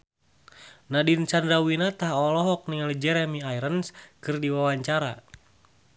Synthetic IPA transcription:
nadint͡ʃandɾawinat̪aɦɔlɔɦɔk̚niŋalid͡ʒɛɾɛmiajɾənskɨrdiwawaɲt͡ʃaɾa̰

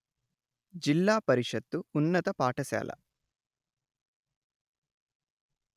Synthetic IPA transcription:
d͡ʒilːaːpɐɾiʂɐt̪ːuːnːɐt̪ɐpaːʈɐsa̰ːlʔɐ̰

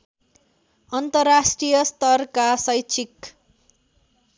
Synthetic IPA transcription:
ʌnt̪ʌrːasʈrijʌst̪ʌrkasʌjt͡sʰik

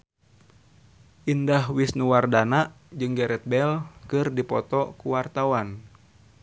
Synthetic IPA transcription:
ʔindahwisnuwardanaʔ | d͡ʒɨŋɡɛɾɛt̪̚bɛlkɨrdipɔt̪ɔkuwart̪awan

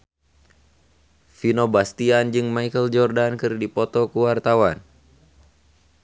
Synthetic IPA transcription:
finobast̪iand͡ʒɨŋmaikəld͡ʒɔrdankɨrdipɔt̪ɔkuwart̪awan

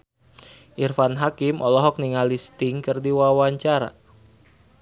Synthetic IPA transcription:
ʔirfanɦakimʔɔlɔɦɔk̚niŋalist̪ɪŋkɨrdiwawaɲt͡ʃaɾa̰

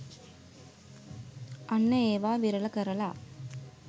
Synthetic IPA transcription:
ɐnːɐeːʋaːʋiɾɐlɐkɐɾɐla̰ː

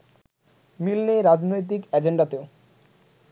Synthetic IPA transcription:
milneɾad͡ʑnojt̪̬ikɛd͡ʑeɳɖat̪eo

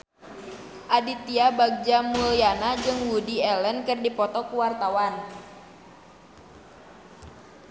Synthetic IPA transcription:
ʔadit̪iabaɡ̚d͡ʒamuljanad͡ʒɨŋwudiɛlənkɨrdipɔt̪ɔkuwart̪awan

